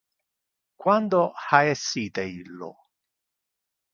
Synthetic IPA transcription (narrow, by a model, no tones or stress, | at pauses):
kwand̪ohaɛsːiːt̪eilːo̰